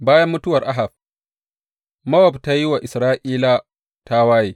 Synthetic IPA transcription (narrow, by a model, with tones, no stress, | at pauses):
baː˦jɐ˦mːʊ˦tʊ˦wɐ˨rʔa˦ɦa˨b̚ | mɐ˦wɔ˨bta˦ji˦wa˨ʔɪ˨sɾaː˦ʔiː˦la˦ | ta˦waː˦jeː˦